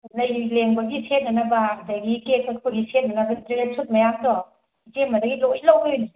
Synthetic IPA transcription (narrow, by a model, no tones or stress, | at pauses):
nɐjileŋbɐɡisʰet̚nɐnɐbadɐɡikekʰɐkʰoɡisʰet̚nɐnɐbɐintɾelesʰut̚mɐjamdɔ | it͡ʃepmɐdɐɡilojlawbeni